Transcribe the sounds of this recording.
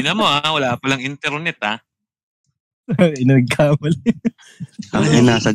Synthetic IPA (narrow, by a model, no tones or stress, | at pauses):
ɪnɐmoʔawɐlaːpɐlɐŋɪnt̪ɛɾnɛt̪a | ɪnɐɡ̚kʰaːbɐl | ʔɐŋʔɪnaːsɐ